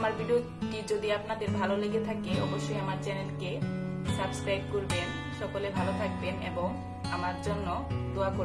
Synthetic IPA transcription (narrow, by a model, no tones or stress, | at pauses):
amaɾbʱiɖio | kid͡ʑod̪iapnad̪eɾbʱaloleɡet̪ʰakeɔboʃːojamaɾt͡ɕɛnelke | sabskajb̚koɾben | ʃɔkolebʱalot̪ʰak̚benḛboŋ | amaɾd͡ʑonːod̪oakoɾ